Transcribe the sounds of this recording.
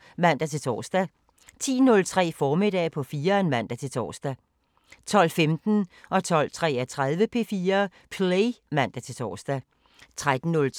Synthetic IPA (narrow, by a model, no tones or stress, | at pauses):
mæn̰d̥æt͡sʰe̝t͡sʰɒ̰ːsd̥æ | t͡sʰḭːnɔ̽lt͡sʰʁɛ̰ːfɒːmid̥ɛ̰ːpʰɒ̽fiːɐenmæn̰d̥æt͡sʰe̝lt͡sʰɒ̰ːsd̥æ | t͡sʰɒ̽l̰femd̥n̩ʔɒ̽t͡sʰɒ̽l̰t͡sʰʁɛ̰ːæt͡sʰʁað̞ˠʋəpʰe̝ːfiːɐ | pʰleɪmæn̰d̥æt͡sʰe̝lt͡sʰɒ̰ːsd̥æ | t͡sʰʁad̥n̩nɔl